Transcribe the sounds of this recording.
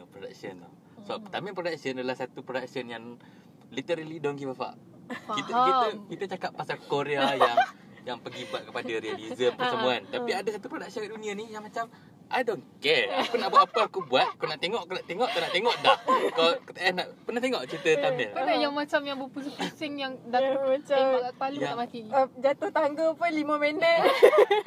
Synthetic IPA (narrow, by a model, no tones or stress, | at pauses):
pɾoda̰k̚sən̰ | səbap̚t̪amɪlpɾodak̚sənadalahsat̪upɾodak̚sənjaŋ | lit̪əɾalidɔnɡibapa̰ʔ | it̪it̪əkit̪ət͡ʃakapːasalkoɾeaja | jaŋpəɡibuat̪̚kəpadəɾializəmpərsəmuant̪apiadasat̪upɾodak̚sənkaʔdunĩanijaŋmat͡ʃam | ʔajdonkɛrakənaʔbuat̪apaakubuat̪̚akonaʔt̪eŋɔʔkonaʔt̪eŋɔʔt̪anaʔt̪eŋɔʔdahkakət̪əʔanaʔpərnaht̪eŋɔʔt͡ʃəɾit̪ət̪amɛlpakajaŋmat͡ʃamjaŋbupusəpusɪŋjaŋdamat͡ʃaaɡaʔpalujaamat̪iəd͡ʒat̪ʊht̪aŋɡopʊnliməmenət̪̚